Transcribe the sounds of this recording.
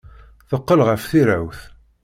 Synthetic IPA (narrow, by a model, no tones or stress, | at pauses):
θəqːəlʁəfθiɾæwθ